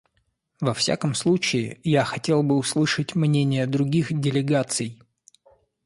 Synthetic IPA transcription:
vɐfsʲa̰kəmslˠut͡ɕɪɪjaxɐtʲe̞lˠbɨʊslˠɨʂətʲmnʲenʲɪjəd̪ɾʊɡʲixdʲɪlʲɪɡat̪sɨj

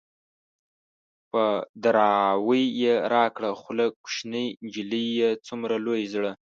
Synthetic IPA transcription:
pəd̪aɾɑwəjːeɾɑkɽaxʊlakːu̥ʃnəjnd͡ʒilijːet͡sumɾalojzɽə

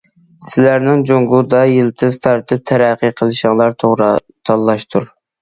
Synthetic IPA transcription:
sɪlæɾnɪŋd͡ʒoŋɡud̪ɑjilˠt̪ʰɨzt̪ʰɑɾt̪ʰɨp̚t̪ʰæɾæqʰːəqʰəlˠɨʃɨŋlˠɑɾt̪ʰoɾ | t̪ʰɑlˠːɑʃt̪ʰuɾ

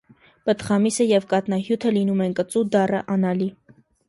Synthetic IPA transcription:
pət̪χɑmisəjɛvkɑt̪nɑɦjut̪ʰəlinumɛnkət͡sud̪ɑrəʔɑnɑli

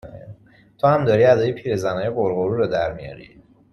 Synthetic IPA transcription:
t̪ʰohæmd̪ɒːɾiːæd̪ɒːjepʰiːɾezænɒːjeboɾɣoɾuːɾod̪æɾmijɒ̰ːɾḭː

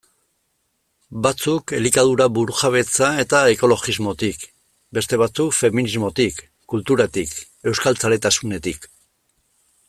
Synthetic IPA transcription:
bat͡suke̞likað̞uɾaβuɾuxaβ̞e̞t͡sae̞t̪ae̞ko̞lo̞ɣizmo̞t̪ik | be̞st̪e̞βat͡sukfe̞minizmo̞t̪ikː | ult̪uɾat̪ik | e̞wskalt͡sale̞t̪asune̞t̪ik

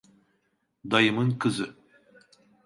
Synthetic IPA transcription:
d̪ɑjɯmɯŋkʰɯzɨ

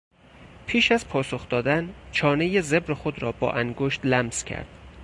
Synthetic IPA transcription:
pʰiːʃæzpʰɒːsoxd̪ɒːd̪ænt͡ʃʰɒːnejeze̞bɾexod̪ɾɒːbɒ̰ːʔæŋɡoʃt̪læmz̥cʰæ̰ɾd̪̥

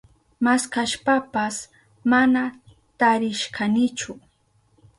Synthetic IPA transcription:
maskaʃpapas | mana | t̪aɾɪʃkʰanɪt͡ʃʊ

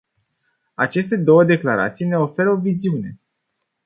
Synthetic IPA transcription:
at͡ʃe̞st̪e̞d̪o̞wəd̪e̞klaɾa̰t̪sijne̞o̞fe̞ɾəo̞viziune̞

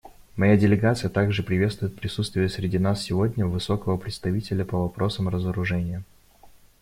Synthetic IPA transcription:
mɐjadʲɪlʲɪɡat̪sɨjət̪aɡʐɨpɾʲɪvʲest̪vʊɪt̪̚pɾʲɪsut̪st̪vʲɪjəsɾʲɪdʲinasːʲɪvodʲnʲəvɨso̞kəvəpɾʲɪt̪st̪ɐvʲitʲɪlʲəpəvɐpɾo̞səmrəzəɾʊʐɛnʲɪjə

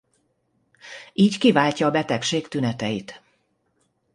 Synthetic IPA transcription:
iːckivaːlcɒːbɛt̪ɛkʃeːkt̪ynɛt̪ɛjit̪

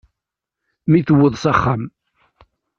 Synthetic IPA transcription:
miθəwːəðˤsaχːam

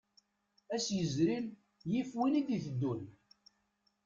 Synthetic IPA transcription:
æsjəzɾil | jifwinid̪iθəd̪ːun

